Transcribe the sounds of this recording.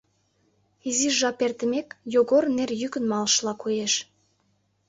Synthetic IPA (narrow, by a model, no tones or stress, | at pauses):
iziʒɑpert̪ə̆mekjoɣornerjykə̆nmɑlʃlɑkujeʃ